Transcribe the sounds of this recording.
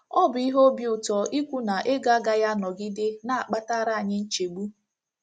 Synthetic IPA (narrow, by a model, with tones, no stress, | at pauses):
ɔ˦bʊ˨i˦ɦo˦bju˨tɔ˨ʔi˦kʷu˦na˨ʔe˦ɡa˦ɡa˦ja˦nɔ˨ɡi˦dɪ˦na˦˨a˨k͡pa˦ta˦ɾa˦a˨ɲɪ˦n̩˦t͡ʃe˨ɡ͡bu˦